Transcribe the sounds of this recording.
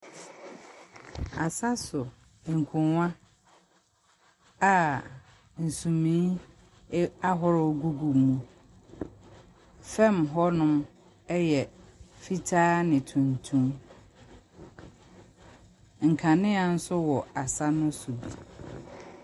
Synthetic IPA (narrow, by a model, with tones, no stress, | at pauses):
a˨sa˦sʊ˨ | ŋ̩˨kʰʊ̃˨wã˦ | a˨ | n̩˨sũ˨mĩ˨˦ | a˦ɦɔ˦ɾɡu˦ɡu˨mũ˦ | fɛ̃˦mɦɔ˦nʊ̃˦m | ɛ˦jɛ˨fi˦tʰaː˦nɪ̃˨tʰũ˨ntʰũ˦m | ŋ̩˨kʰa˨nɪ̃˦a˨n̩˦sʊ˦wɔ˨a˨sa˦nʊ̃˦sʊ˨bi˨